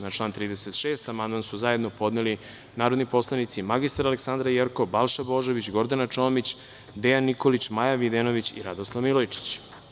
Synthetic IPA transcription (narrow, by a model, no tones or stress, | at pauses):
nat͡ʃlˠaːnt̪ɾiːd̪eset̪ʃe̞ːst̪amand̪mansuzajed̪no̞po̞d̪neli | naːɾo̞d̪nipo̞slˠanit̪simaɡist̪aɾaleksand̪ɾajeɾkobalˠʃabo̞ʒoʋit͡ɕɡo̞ɾd̪anat͡ʂo̞ːmit͡ɕ | d̪ejanːiko̞lit͡ɕmajaʋid̪eno̞ʋit͡ɕḭɾad̪oslˠaʋmilojt͡ʂi̥t͡ɕ